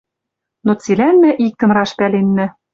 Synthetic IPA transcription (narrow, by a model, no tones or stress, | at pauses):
not͡silænmæ̆ʔik̚ːɤ̆nrɑʃpælenːɘ̆